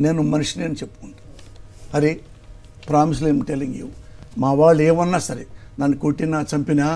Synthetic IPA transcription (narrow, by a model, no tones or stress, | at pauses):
neːnumɐnuʂineːnut͡ʃepːu̥kuɳɖu | ɐɾi | pɾaːmis̬uleːmʈeliŋɡjṵwmaːʋaːɭːueːʋɐnːaːsɐɾenɐnːikoʈːinaːt͡ʃɐmpinaː